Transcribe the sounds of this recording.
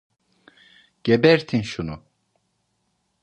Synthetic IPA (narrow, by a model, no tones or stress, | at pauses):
ɟ̥ebɛɾt̪ʰinʃunu